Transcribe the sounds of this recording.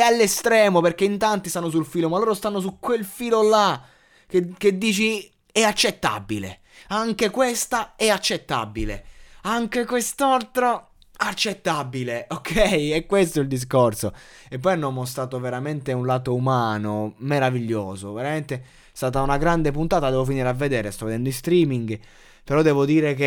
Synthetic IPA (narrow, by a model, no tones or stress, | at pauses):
ɛalːest̪ɾɛːmoperkeint̪ant̪ist̪anːos̬ulfiːlomalːoːɾost̪anːos̬ukːwelfiːlola | keked̪ːiːt͡ʃi | ɛat͡ʃːet̪ːa̰bilḛ | aŋk̟ekwest̪aɛat͡ʃːet̪ːa̰bilḛaŋkekwest̪alt̪ɾo | at͡ʃːet̪ːabileokʰɛjɛkwest̪oild̪is̬korso | ep̬ːɔjnɔmːɔs̬t̪ɾaːt̪oveɾament̪eunlaːt̪oumaːnomeɾaviʎːoːzoveɾament̪e | st̪aːt̪aunaɡɾand̪ep̬unt̪aːt̪ad̪ɛvofiniːɾeavːed̪ɛːɾest̪ɔvːed̪ɛnd̪oist̪ɾiːmiŋɡ | peɾɔd̪ɛːvod̪iːɾeke